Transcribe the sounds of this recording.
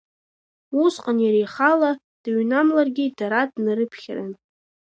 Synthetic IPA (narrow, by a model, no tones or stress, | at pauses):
usqʼanjaɾejχala | d̥aɥnamlarɡʲɪdaɾadnɨɾɨpʰχʲran